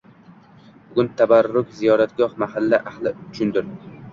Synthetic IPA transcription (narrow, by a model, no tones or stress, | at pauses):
bʊɡʲʊnt̪ʰabaɾːʊkʲzijɒɾat̪ɡɒhmahalːaʔahlˠɪt͡ʃʰʊnd̪ɪɾ